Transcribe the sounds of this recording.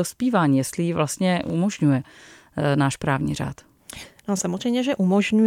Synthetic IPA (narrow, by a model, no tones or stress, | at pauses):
ospiːvaːɲiːjɛst̪lɪjivlast̪ɲɛʔṵmoʒɲujɛ | naːʃpɾaːvɲḭːr̝a̰ːt̪ | nosamorɛjmɲɛʒɛʔumoʒɲu